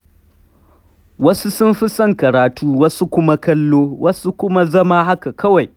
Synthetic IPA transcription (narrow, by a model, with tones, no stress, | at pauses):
wɐ˦su˦sʊ˦mɸi˦sɐ˦˨ŋkɐ˨ɾaː˨tuː˦wɐ˦su˦kʷʊ˦ma˦kɐ˦lːoː˦wʔɐ˦su˦kʷʊ˦ma˦zɐ˦ma˦ha˦ka˨kʰɐ˦wa˨j